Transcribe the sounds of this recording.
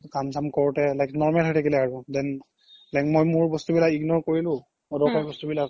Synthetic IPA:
kamsʰamkɔɹɔtɛlajknɔɹmɛlɦɔjtʰakilɛaɹʊ̃dɛn | lajkmojmʊɹbɔstubilakiɡnɔɹkoɹilʊ̃ | ɔdɔkɔjbɔstubilak

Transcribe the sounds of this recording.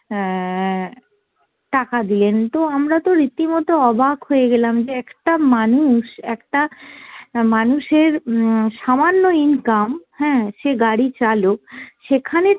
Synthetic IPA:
ʈakad̪ilent̪oamɾat̪oɾit̪imɔt̪oɔbʱaɡɦojeɡelamd͡ʑeɛkʈamanuʃɛkʈa | manuʃeɾʃamanːoinkamhɛ̃ːʃeɡaɽit͡ɕalokʃekʰane

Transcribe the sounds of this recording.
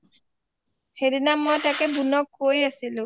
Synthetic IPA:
hedinamojtakebunɔkːojasilũ

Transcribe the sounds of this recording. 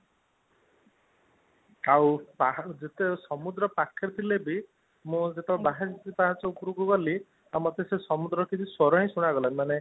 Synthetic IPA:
awpad͡ʒet̪esɔmud̪ɾɔpakʰːɔɾt̪ʰilebi | mũzet̪ebabaɦad͡ʒit̪ipaɦat͡ʃɔukuɾukuɡɔli | amɔt̪esesɔmud̪ɾɔkit̪ʰisɔɾɔɦĩsuɽ̃aɡɔlabimane

